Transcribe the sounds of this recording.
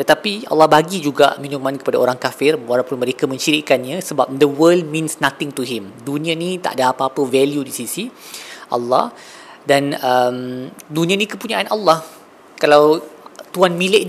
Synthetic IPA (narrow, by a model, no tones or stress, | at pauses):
t̪ət̪apia̰lːɑhbaɡid͡ʒuɡa̰ʔmĩnʊ̃ŋmãnkə̥padaoɾaŋkafɪroɾapʊnməɾekamə̃ɲt͡ʃiɾiʔkanɲãsəbap̚dəwəld̚mĩnsnat̪ɪŋt̪uɦɪmdunĩãnĩt̪a̰ʔdaapaːpəvɛljudisisiʔa̰lːɑ̰h | danəmdunĩãnĩkəpuɲaʔanalːɑh | kalawt̪uanmĩlɪʔ